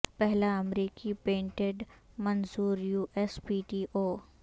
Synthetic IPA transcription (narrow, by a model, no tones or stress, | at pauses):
pɛɦlaɐmɾiːkipẽːɳʈeɖ | mɐnzuːɾjuːʔespiːʈiːʔoː